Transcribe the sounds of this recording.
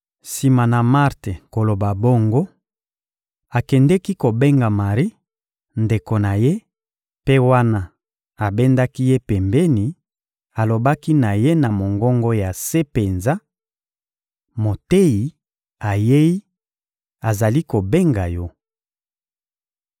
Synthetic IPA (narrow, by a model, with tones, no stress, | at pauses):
si˨ma˨na˨ma˦ʁte˨ko˨lo˨ba˨bo˦ŋɡo˦ | a˨kɛ˨ndɛ˦ki˦ko˨be˦ŋɡa˨ma˨ʁi˦ | nde˨ko˨na˨je˦ | pe˦wa˦na˦ | a˨be˦nda˦ki˦je˦pɛ˨mbe˦ni˨ | a˨lo˨ba˦ki˦na˨je˦na˨mo˨ŋɡɔ˦ŋɡo˦ja˨se˦pe˨nza˦ | mo˨te˦i˨ | a˨je˦i˦ | a˨za˨li˦ko˨be˦ŋɡa˨jɔ˦